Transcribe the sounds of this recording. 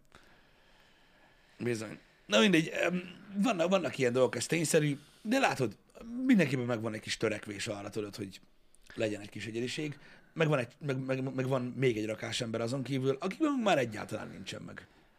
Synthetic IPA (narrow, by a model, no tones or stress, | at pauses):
bizo̞̰ɲ | nɒmind̪ɛɟømvɒnːɒkvɒnːɒkijɛnd̪o̞lɡokɛst̪eːɲsɛɾyː | d̪ɛlaːt̪o̞d̪ | mind̪ɛŋkeːpːɛmːɛɡvɒnɛckiʃt̪øɾɛkʋeːʃɒrːɒt̪øløt̪ho̞ɟ | lɛɟɛnɛcʲkiʃɛɟɛd̪iʃeːɡ | mɛɡvɒnɛɟmɛɡmɛɡmɛɡvɒnmeːɡɛɟrɒkaːʃɛmbɛɾɒzo̞ŋkiːvylʔɒkiɡbɛmuɡmaːɾɛɟːa̰ːt̪ɒla̰ːnːḭnt͡ʃɛ̰mːɛ̰ɡ